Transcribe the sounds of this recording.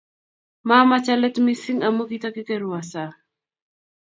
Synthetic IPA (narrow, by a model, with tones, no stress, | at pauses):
ma˦mat͡ʃa˦lɛ˦tmi˦si˦ŋa˨mo˦ki˦ta˦ki˦ke˦ɾu˨wa˨sa˨